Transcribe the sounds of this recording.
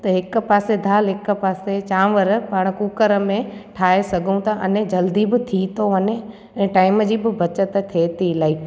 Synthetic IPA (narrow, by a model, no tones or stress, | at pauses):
t̪ɐɦɪk̆paːsed̪ʱaːlɦɪkə̆paːset͡ɕãːʋəɾpaːɽ̃kuːkəɾə̆mẽʈʰaːɦesɐɡʱũt̪ɐʔɐnẽd͡ʑɐld̪ibɪt̪ʰit̪oəne | ɛ̃ːʈaːɪməd͡ʑiːbɪbɐt͡ɕət̪t̪ʰeːt̪ilaːip